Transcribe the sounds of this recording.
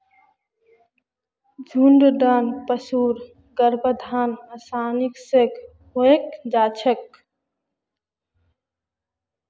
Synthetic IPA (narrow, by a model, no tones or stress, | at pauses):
d͡ʒʱuɳɖɖanpəsuːɾ | ɡəɾbəd̪ʱaːnəsaːniksek | ɦoekd͡ʒaːt͡ʃʰək̚